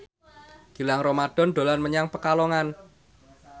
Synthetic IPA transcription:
ɡ̥i̤laŋromaɖ̥ɔ̤nɖ̪̥o̤lanməɲaŋpəkalɔŋan

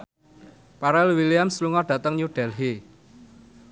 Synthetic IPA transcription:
paɾɛlwiliamsluŋɔɖ̥ä̤t̪əŋɲuɖ̥ɛ̤lɦe

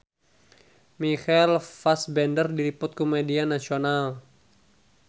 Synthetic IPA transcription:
mixɛlfasbɛndərdiɾipʊt̪̚komedianasional

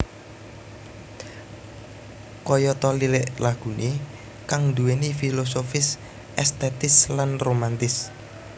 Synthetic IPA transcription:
kɔjɔt̪ɔlileʔlaɡ̥ṳne | kaŋd̪uenifilos̬ofɪs | ʔɛst̪ɛt̪ɪslanromant̪ɪs

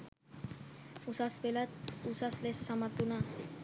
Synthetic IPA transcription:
usasbelat̪usaslessamat̪una

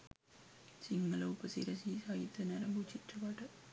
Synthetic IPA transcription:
t͡ʃiŋɡɐlɐupɐsḭɾɐsisaːjit̪ːɐnɐɾɐbut͡ʃiʈɾɐpaːʈɐ

